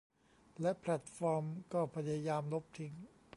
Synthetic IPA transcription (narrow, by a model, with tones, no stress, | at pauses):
lɛ˦˥ʔpʰlɛ˨˩t̪̚fɔː˧mkɔː˥˩pʰa˧jaː˧jaː˧mlo˦˥p̚t̪ʰi˦˥ŋ